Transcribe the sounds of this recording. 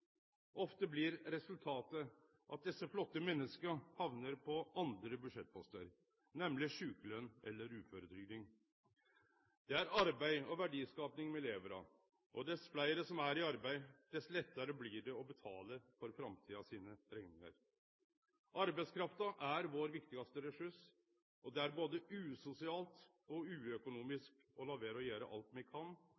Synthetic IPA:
ʔɔft̪əblɪɾɾɛsʉlt̪ʰɑːt̪ə | ʔɑ̰t̪̚d̪ɛsːəflɔt̪ːəmɛnːəskəhɑʋnəɾpʰɔʔɑnd̪ɾəbʉʂɛt̪̚ːpʰɔst̪əɾ | nɛmlɪʂʉːkəlœnʔɛ̰lːəɾʉːføɾəd̪ɾʏɡd̪ɪŋ | d̪̥ɛæɾɑɾbæɪɔʋæɖiːskɑːpnɪŋmɛleːʋəɾɑ̰ | ʔɔd̪ɛsflæɪəɾəsɔmæɾɪɑɾbæɪd̪̥ɛslɛt̪ːɑɾəbliːɖɛɔbət̪ʰɑːləfɔɾfɾɑmt̪ʰiːɑsiːnəɾɛŋnɪŋɑ̰ɾ | ʔɑɾbæɪskʰɾɑft̪ɑʔæɾʋoːɾʋɪkt̪ɪɡɑst̪əɾɛʂʉʂ | ɔd̪ɛæɾboːd̪əʉːsʊsɪɑːlt̪ | ɔʉːœkʊnuːmɪsk | ɔlɑːʋeːɾəɔjæːɾə̰ʔɑ̰lt̪mɛkʰɑn

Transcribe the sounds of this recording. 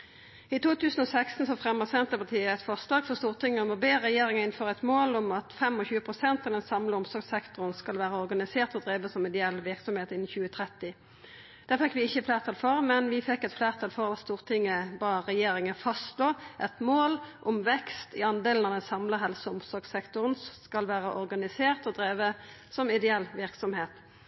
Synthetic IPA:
ɪt̪ʰuːt̪ʰʉːsən̩ɔsæɪkst̪n̩sɔfʁɛmːəʁsɛnt̪əpɑʁt̪ʰiːəɛt̪fɑslɑːɡfɔst̪uːʁt̪ɪŋːəmobeːʁɛjeːɾɪŋɑɪnføːʁɛt̪moːlɔmɑt̪fɛmɔçʉːəpʰʁʊsɛnt̪ɑʋd̪ɛnsɑmləʊmsɔɾɡsɛkt̪ɔʁənskɑlʋæːʁəɔʁɡɑnɪseːʁt̪ɔd̪ʁeːʋəsɔmːɛd̪ɪɛlːʋɪʁksɔmheːt̪ɪn̩ːçʉːət̪ʰʁɛt̪ːɪ | d̪̥æːʁfɛkːʋɪɪçːəflæːʁt̪ʰɑlfɔʁmɛnʋɪfɛkːɛt̪flæːʁt̪ʰɑlfɔʁd̪æst̪uːʁt̪ʰɪŋːəbɑːʁɛjeːɾɪŋəfɑst̪loːʔɛt̪moːlʔɔmʋɛkst̪ɪɑnd̪eːln̩ɑʋd̪ɛnsɑmləɦɛlsəʊmsɔʁɡsɛkt̪ʊʁənkɑlʋæːʁəʔɔʁɡɑnɪseːʁt̪ɔd̪ɾeːʋə | sɔmɪd̪ɛɛlːʋɪɾksɔmheːt̪

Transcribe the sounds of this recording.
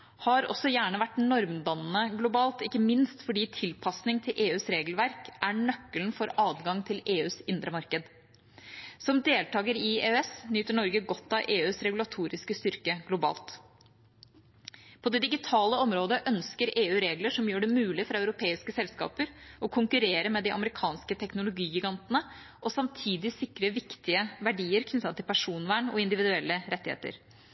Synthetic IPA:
hɑɾɔ̰sːɔjæːɳəʋæʈːnɔɾmb̪ɑnːəɡlʊbɑːlt̪ɪkːəmɪnst̪fɔɖiːt̪ʰɪlpʰɑsnɪŋt̪ʰɪlʔeːʉːsɾeːɡlʋæɾkʔæɳœkːəlnfɔɾɑːd̪ɡɑŋt̪ʰɪleːʉːsɪnd̪ɾəmɑɾkəd̪ | sɔmd̪eːlt̪ʰɑːɡəɾɪeːɛsnyːt̪əɳɔɾɡəɡɔt̪ːɑʔeːʉːsɾɛɡʉlɑt̪ʰuːɾɪskəst̪ʏɾkəɡlʊbɑ̰ːlt̪ | pʰɔd̪ɛd̪ɪɡɪt̪ʰɑːləɔmɾoːd̪əʔœnskəɾeːʉːɾeːɡləʂɔmjøːɖɛmʉːlɪfɾɑœʉɾʊpʰeːɪskəsɛlskɑ̰ːpəɾɔkʰʊŋkʉɾeːɾəmɛd̪ɪʔɑ̰məɾɪkʰɑːnskət̪ʰɛknʊlʊɡiːɡɪɡɑnt̪nə | ʔɔsɑmt̪ʰiːd̪ɪsɪkɾəʋɪkt̪ɪəʋæɖiːəɾkʰnʏt̪ːɑnt̪ʰːɪlpʰæʂuːnʋæːɳɔ̰ɪnd̪ɪʋɪd̪ʉɛlːəɾɛt̪ːɪhḛːt̪ə̰ɾ

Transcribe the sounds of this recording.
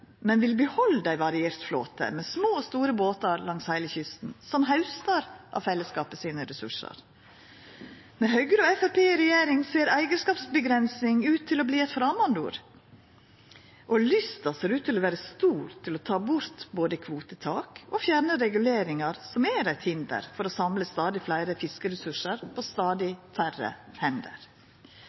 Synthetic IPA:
mɛnʋɪlbəhɔld̪æɪʋɑɾɪeːɾt̪flo̰ːt̪ə̰mɛsmoːɔst̪uːɾəboːt̪ɑɾlɑŋshæɪləçʏst̪n̩sɔmɦɑʉst̪ɑɾʔɑ̰fɛlːəskɑːpəsiːnəɾɛsʉ̰ʂə̰ɾ | mɛɦœɡɾəɔɛfæpʰeːɾɛjeːɾɪŋseːɾæɪɡəskɑːpsbəɡɾɛnsɪŋʉːt̪ʰːɪlɔbliːɛɪt̪fɾɑːmɑnd̪ṵːɾ | ʔɔlʏst̪ɑseːɾʉːt̪ʰːɪlɔʋæːɾəst̪uːɾt̪ʰɪlɔt̪ʰɑːbʊɾt̪boːd̪əkʰʋuːt̪ət̪ʰɑːkɔfjæɾɳəɾɛɡʉleːɾɪŋɑɾsɔmɛɾæɪt̪hɪnd̪ə̰ɾfɔɾɔsɑmləst̪ɑːd̪ɪflæɪɾəfɪskəɾɛsʉʂəɾpʰɔst̪ɑːd̪ɪfʰærə̰hɛnd̪ə̰ɾ

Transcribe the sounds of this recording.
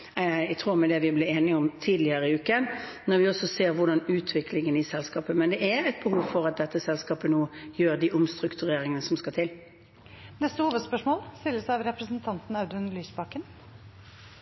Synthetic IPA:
æt̪ʰɾuːɾmɛd̪ɛʋɪblɪeːnɪɔmt̪ʰiːd̪lɪəɾəɪʉːkənnɔɾʋɪɔsɔseːɾʋʊʁɖɑnʉːt̪ʰʋɪkʰlɪŋənɪsɛlskɑːpəmɛnd̪ɛæɾæɪt̪̚bəhuːʋfɔɾɑt̪̚d̪ɛt̪ːəsɛlskɑːpənuːjøːɾd̪iʔʊmst̪ɾʉkt̪ʉɾeːɾɪŋənəsɔmskɑt̪ʰɪl | nɛst̪əhuːʋəd̪spœʂmoːlst̪ɪlːəsɑʋɾɛpɾəsənt̪ʰɑnt̪n̩ɑʉd̪ʉnlyːsbɑkən

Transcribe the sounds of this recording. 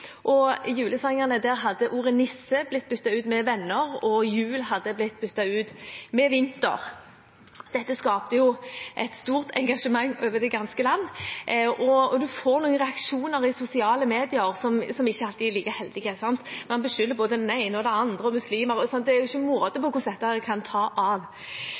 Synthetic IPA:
ʔɔjʉːləsɑŋɑnəd̪æɾɦɑd̪ːəʔuːʁənɪsːəblɪt̪̚ːbʏt̪ːɑʉːt̪mɛʋɛnːəʁɔjʉːlɦɑd̪ːəblɪt̪ːbʏt̪ːɑʉːt̪mɛʋɪnt̪ə̰ʁ | d̪̥ɛt̪ːəskɑːpt̪əjʊʔɛt̪st̪uːʁt̪ʰɛŋɡɑʂəmɑŋːøːʋəd̪ɛɡɑnskəlɑnːʔɔɔd̪ʉfoːʁnuːənʁɛɑkʂuːnəʁɪsʊsɪɑːləmeːd̪ɪəɾsɔmsɔmɪçːəɑlt̪iliːkəhɛld̪ɪɡɛsɑnt̪mɑnbəʃʏlːəboːd̪əd̪ɛnæɪnəɔd̪ɛɑnd̪ʁəɔmʉsliːməɾɔsɑnt̪d̪ɛæɾjʊɪçːəmʊɾɔd̪əpɔkʊsd̪ɛt̪ːɑkʰɑnt̪ʰɑːʔɑʋ

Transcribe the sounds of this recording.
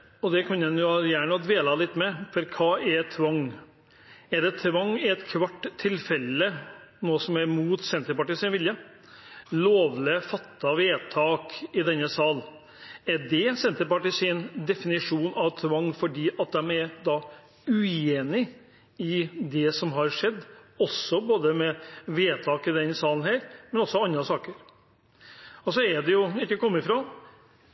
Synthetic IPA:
ɔd̪ɛkʰɑnːɛnjʊjæːɳəd̪ʋeːlɑːlɪt̪ːmɛfɔɾkʰɑːɛɾt̪ʰʋɑŋː | ɛɖɛt̪ʰʋɑŋːɪɛt̪kʰʋɑʈ̪ːʰɪlfɛlːənoːsɔmɛɾmuːt̪sɛnt̪əɾpɑʈiːsɪnʋɪljə | loːʋlɪfɑt̪ːɑʋeːt̪ʰɑːkɪd̪ɛnːəsɑːl | ɛɖɛsɛnt̪əɾpɑʈiːsɪnd̪ɛfɪnɪʂuːnɑʋt̪ʰʋɑŋːfɔɖiːʔɑt̪̚d̪ɛmɛɾd̪ɑː | ʉeːnɪ | ɪd̪ɛsɔmɦɑɾʂɛd̪ːɔsɔboːd̪əmɛʋeːt̪ʰɑːkɪd̪ɛnsɑːln̩hæːɾmɛnɔsːɔɑnd̪ɾɑsɑːkəɾ | ɔsɔɛɖɛjʊɪkːəkɔmːɪfɾoː

